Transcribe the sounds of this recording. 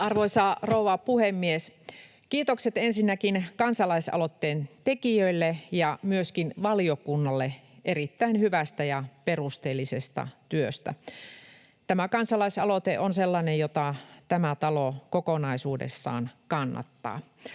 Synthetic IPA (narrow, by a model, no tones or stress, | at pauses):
ɑrʋoisɑrouʋɑpuhemːies | kiːt̪okset̪ensinːækinkɑnsɑlɑisɑ̰lot̪ːeːnt̪ekiøilːejɑmyøskinʋɑliokunːɑlːeʔerit̪ːæinhyʋæst̪æjɑperust̪eːlːisest̪ɑ̰t̪yøst̪æ̰ | t̪æmækɑnsɑlɑisɑlot̪eʔonselːɑnejjot̪ɑt̪æmæt̪ɑlokokonɑisuːdḛsːɑ̰ːnkɑnːɑ̰t̪ːɑ̰ː